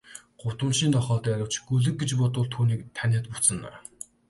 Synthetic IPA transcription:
ɢ̥ʊt̪ə̆nʃiːnt̪ɔχɔːt̪æːɾʲə̆w̥t͡ɕɡɵɮɘ̆k̚ɡet͡ɕpʊt̪ʊːɮt̪ʰuːniːk̚t̪ʰænʲeːt̪̚put͡sə̆nːæ̰ː

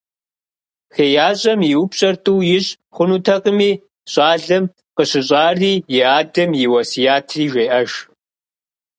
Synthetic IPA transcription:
xeːjaːɕʼɐmjiwʊpɕʼɐrtʼuːjɪɕʼ | χʷʊnuːtʰɐqəmiː | ɕʼaːɮɐm | qəɕɪɕʼaːriːjɪaːdɐmjɪwɐsijaːtʰriːʒʷeːʔɐʒ

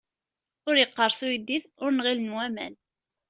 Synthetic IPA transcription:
ʊɾjəqːəɾˤsujd̪iθʊɾnʁilənwæmæ̰n

